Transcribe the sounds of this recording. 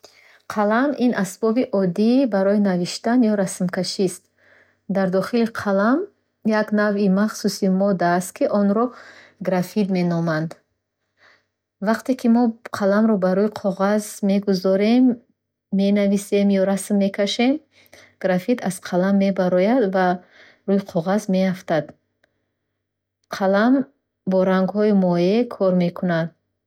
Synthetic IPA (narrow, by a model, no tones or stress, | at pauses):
qʰalaminʔasbɔbiʔɔd̪ibaɾɔinaviʃt̪anjɔɾasmkʰaʃist̪̚ | d̪aɾd̪ɔχiliqʰalam | jaknavimaχsusimɔd̪aːst̪̚kʰiʔɔnɾɔ | ɡɾafid̪me̞nɔmand̪ | vaqt̪e̞kʰimɔqʰalamɾɔbaɾɔjiqʰɔʁazme̞ɡuzɔɾemː | e̞navise̞mjɔɾasmːe̞kʰaʃe̞m | ɡ̥ɾafit̪az̥qʰalamːe̞baɾɔjad̪va | ɾuiqʰɔʁazme̞aft̪ad̪ | qʰalam | bɔɾaŋɡhɔimɔjekʰɔɾme̞kʰunad̪̚